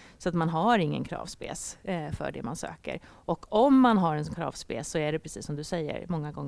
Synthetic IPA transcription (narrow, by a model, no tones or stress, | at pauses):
sɔat̪manɦaɾɪŋːə̰nkʰɾɑ̰ːvspḛːsfœ̰ɖɛ̰mansø̰ːkə̰ɾ | ʔɔkʰɔmːanɦaɾɛnkʰɾɑ̰ːvspeːsːɔæɖɛpʰɾɛsiːsːɔmd̪ɵsɛjːə̰ɾmɔŋːaɡɔŋː